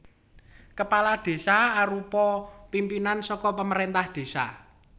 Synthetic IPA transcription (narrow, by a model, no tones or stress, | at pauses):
kəpalad̪̥e̤saaɾupɔpimpinansɔkɔpəməɾent̪ahd̪̥e̤sa̰